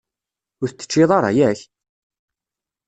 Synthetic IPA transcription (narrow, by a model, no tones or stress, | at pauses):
ʊɾθət͡sːə̥t͡ʃːɪðˤɑɾˤɑ̰jæç